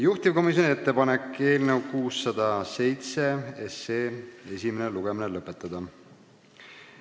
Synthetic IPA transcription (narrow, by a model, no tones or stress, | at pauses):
juht̪ivko̞mis̬jo̞niet̪ːe̞pɑne̞kːe̞ːlnewkuːsːɑd̪̥ɑse̞jt̪se̞eseːe̞sʲimeneluɡ̥eminelɤpːˑet̪ˑːɑd̪̥ɑ